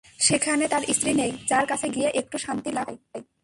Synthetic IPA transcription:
ʃekʰanet̪aɾʔist̪ɾinejd͡ʑaɾkat͡ɕʰeɡijeʔek̚ʈuʃant̪ilaɡej

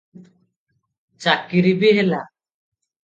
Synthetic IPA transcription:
t͡ʃakiɾibiɦɛla

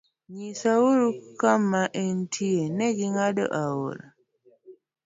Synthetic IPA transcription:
ɲisawuɾukamːaʔentʰienɛɡiŋadɔ̰ʔawo̰ɾa̰

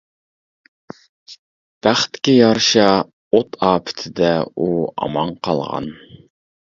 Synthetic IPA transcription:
b̥æχt̪ːɪ̥kʲijɑɾʃɑ | ot̪ʰɑːpʰɪ̥t̪ʰɪd̪ɛuɑ̰mɑɴqʰɑlˠʁɑ̰n

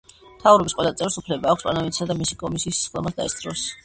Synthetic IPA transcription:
mt̪ʰavɾɔbisqʼwɛlˠat̪sʼɛɾsupʰlɛbaːkʰʷsʼa̰navit̪ʰsad̪amisikʼɔmisiːssχd̪ɔmasd̪a̰ɛst̪sʼɾɔs

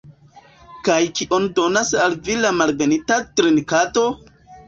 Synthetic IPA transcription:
kajkiʔo̞ndo̞nasalvilamalɡenitatɾinkato̞

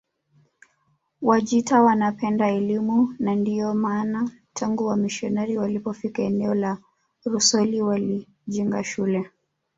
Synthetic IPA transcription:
waʄitawanapɛndaɛlimunandiɔmaːna | tʰaŋɡuwamiʃɔnɛɾiwalipɔfikaɛnɛɔla | ɾusɔliwali | ʄiŋɡa̰ʃulɛ

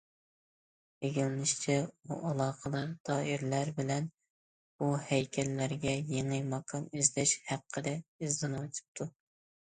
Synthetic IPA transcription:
eɡʲilnɪʃt͡ʃʰɛuʔɑlˠɑːqəd̪ɨɾd̪ʰɑːiɾlæɾbɪlɛn | buhɛjkʲʰɛlːæɾɡʲɛjeŋɨmɑkʰɑnyzlɛʃhæqʰːəd̪ɛizd̪ɨnwɑt͡ʃ̪ʰɨ̥p̚t̪ʰu

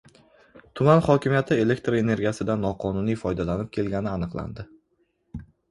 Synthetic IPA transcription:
t̪ʰʊmanχɒkʲɪmijat̪ʰɪe̞le̞kʲt̪ɾe̞ne̞ɾɡʲijasɪd̪anːɒqʰɒnʊnijfɒjd̪alanɪp̚kʲʰe̞lɡʲanɪanɨqlˠa̰nd̪ɪ

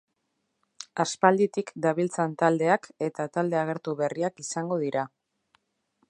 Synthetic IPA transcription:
aspald̪it̪ikd̪aβ̞ilt͡sant̪ald̪e̞ake̞t̪at̪ald̪e̞aɣ̞e̞ɾt̪uβe̞riakisaŋɡo̞ðiɾa

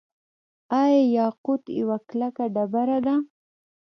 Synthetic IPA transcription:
ɑjɑjɑqʊt̪jə̰waklakaɖabaɾad̪a

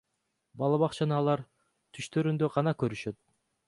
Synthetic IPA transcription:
bɑlˠɑβɑqt͡ʃɑnɑːlˠɑɾ | t̪ʰyʃt̪ø̞ɾynd̪øʁɑnɑkø̞ɾyʃø̞t̪̚

